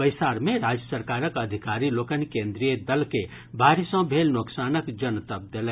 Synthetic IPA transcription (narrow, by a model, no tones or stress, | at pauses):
pəjsaːɾmẽɾaːd͡ʒjəsəɾkaːɾəkəd̪ʱikaɾilokənikẽnd̪ɾijəd̪əlke | bʱaːɾisə̃bʱelnoksaːnəkd͡ʒənt̪əb̚d̪elɛ